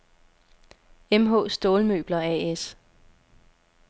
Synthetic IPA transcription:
emɦɔ̰̽ːsd̥o̝ːlmø̰ːb̥lɐɛ̰es

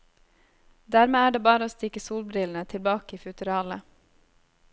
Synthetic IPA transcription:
d̪æːɾmeːæːɖeːbɑːɾəoːst̪ɪkəsuːlbɾɪln̩ət̪ʰɪlbɑːkəiːfʉt̪ʉɾɑːlə

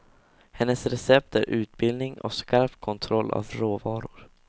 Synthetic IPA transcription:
hɛnːəsɾɛsɛp̚t̪ʰæɾʔʉ̟ːt̪̚bɪld̪nɪŋɔ̰skaɾpkʰɔnt̪ʰɾɔlːa̰vɾoːvɑːɾʊɾ

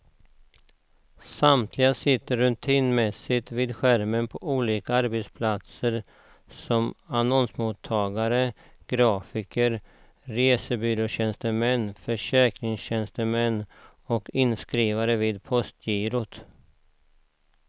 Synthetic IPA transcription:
samt̪ʰlɪɡasɪt̪ːəɾːɵt̪ʰiːnmɛsɪt̪viːd̪ɧæɾmənpʰɔʔuːliːkaaɾbɛt̪spʰlat̪səɾ | sɔmanɔnsmʊt̪ʰːɑːɡaɾə | ɡ̥ɾɑːfɪkəɾ | ɾeːsəbʏɾoɕɛnst̪əmɛnːfœʂɛːkɾɪŋsɕɛnst̪əmɛnː | ɔkɪnskɾiːvaɾəviːd̪pʰɔst̪ʰjiːɾʊt̪

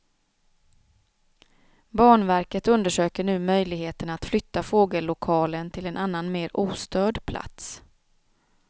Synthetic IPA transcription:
bɑːɳvæɾkət̪ɵnd̪əʂøːkəɳʉ̟ːmœjlɪɡheːt̪ənaat̪flʏt̪ːafoːɡəlːʊkʰɑːlənt̪ʰɪlɛnʔanːanmeːɾuːst̪øːɖpʰlʔa̰t̪s

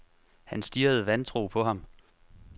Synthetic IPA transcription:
hænsd̥iɐð̞̩ˠʋænt͡sʰʁṵːpʰɒ̽ɦɑ̈m

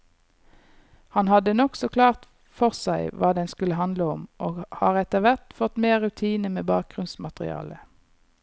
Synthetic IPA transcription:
hɑnhɑd̪ənɔksɔkʰlɑːʁt̪ | fɔʁsæɪʋɑːd̪ɛnskʉləhɑnd̪ləɔmʔoːɡhɑ̰ːʁɛt̪əʋæʁt̪fɔt̪meːʁʉt̪ʰiːnəmeːbɑːk̚ɡ̥ʁʉnsmɑt̪ʁɪ̰ɑ̰ːlə

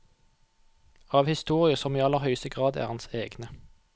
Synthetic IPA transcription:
ɑːʋhɪst̪uːʁɪəsɔmiːɑlːəʁhœʏst̪əɡʁɑːd̪æ̰ːʁɑnseːɡnə

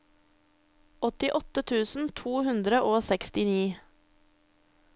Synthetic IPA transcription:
ɔt̪ɪʔɔt̪ət̪ʰʉːsn̩t̪ʰuːhʉnd̪ɾəʔoːsɛkst̪ɪniː

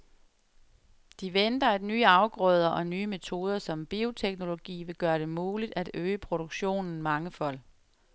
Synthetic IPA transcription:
d̥iʋend̥ɐæd̥nyːɑ̈ʊɡ̥ʁœːð̞ˠɐʔɒ̽nyːəme̝t͡sʰo̝ːð̞ˠɐsɒ̽mb̥io̝t͡sʰeɡ̥no̝lo̝ɡ̥ḭːʋe̝ɡ̥ɶːɐɾ̥e̝muːlid̥æd̥øːəpʰʁo̝ɾ̥oɡ̥ɕo̝̰ːnn̩mɑ̈ŋəfɒ̽l̰

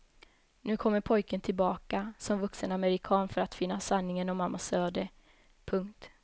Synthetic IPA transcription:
nʉ̟ːkʰɔmːəɾpʰɔjkənt̪ʰɪlbɑːkasɔmvɵksənaməɾɪkʰɑːnfœɾat̪fɪnːasanːɪŋənɔmamːasøːɖ̪ə | pʰɵŋkt̪

